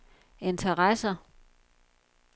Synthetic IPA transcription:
e̝nt͡sʰɐʁasɐ

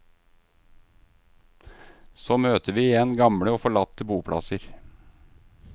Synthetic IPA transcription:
soːmøːt̪ʰəʋiːɪjɛnɡɑmɽəoːfɔɭɑt̪ːəbuːpʰɽɑ̰səɾ

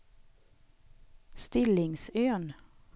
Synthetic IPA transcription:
st̪ɪlɪŋsøːn

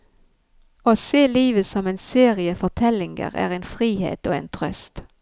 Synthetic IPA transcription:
oːseːliːʋəsɔmeːnseːʁɪəfɔʁt̪ʰɛlɪŋɡə̰ʁæ̰ːʁeɪːnfʁiːhḛːt̪oːḛːnt̪ʰʁœst̪

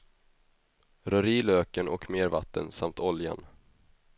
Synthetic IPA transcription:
ɾœɾiːløːkəɳɔkmeːɾva̰t̪ːə̰nsamt̪ʰɔlja̰n

